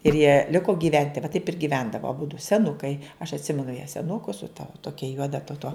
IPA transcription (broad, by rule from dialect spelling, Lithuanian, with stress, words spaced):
ɪr jiɛ ˈlʲɪkoː ɡʲiːˈʋʲɛnʲtʲɪ ʋɐ tɐɪp ɪr ɡʲɪˈʋʲɛndɐʋoː ɐˈbʊdʊ sʲɛˈnʊkɐɪ ɐʃ ɐtʲˈsʲɪmʲɛnʊ jæː sʲɛˈnʊkʊ sʊ tɐ ˈtoːkʲɛ ˈjuɔdɐ tɐ toː